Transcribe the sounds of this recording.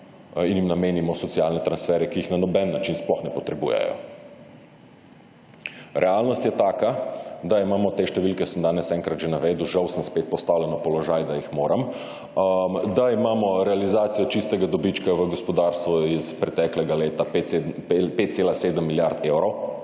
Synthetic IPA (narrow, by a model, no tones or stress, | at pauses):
injimnameːnimɔsɔt̪sialnɛt̪ɾansfɛːɾɛkiːxnanɔbɛnːat͡ʃinsplɔxnɛpɔt̪ɾɛbuːjɛ̰jɔ̰ | ɾʔɛalnɔst̪jɛt̪aːkad̪aimaːmɔt̪eʃt̪ɛʋilkɛsəmd̪aːnɛsɛŋkɾat̪ʒenaʋeːd̪uʒawsəmspet̪̚pɔst̪aːwlɛnɔpɔlɔʒajd̪ajixmoːɾam | md̪aimaːmɔɾɛalizaːt̪sijɔt͡ʃist̪ɛɡad̪ɔbit͡ʃkaʋəɡɔspɔd̪aɾst̪ʋɔispɾɛt̪ɛklɛɡaleːt̪ape | pet̪t̪seːlaseːd̪əmːiljaɾt̪ewɾɔw